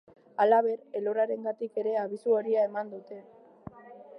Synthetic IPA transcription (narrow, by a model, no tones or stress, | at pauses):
alaβ̞e̞ɾe̞lo̞ɾaɾe̞ŋɡat̪ike̞ɾe̞aβ̞isuo̞ɾiae̞mand̪ut̪e̞